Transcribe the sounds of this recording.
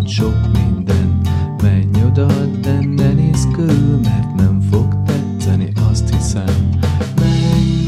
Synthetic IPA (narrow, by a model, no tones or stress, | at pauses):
ʃo̞kmind̪ɛnt̪mɛɲːod̪ɒd̪ɛnːɛniskylmɛrt̪nɛɱfo̞ɡt̪ɛt̪sɛniʔɒst̪hisɛmː | ɛ